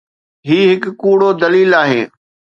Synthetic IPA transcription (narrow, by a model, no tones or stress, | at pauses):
ɦiːɦɪkkuːɽod̪ɐliːlaːɦeː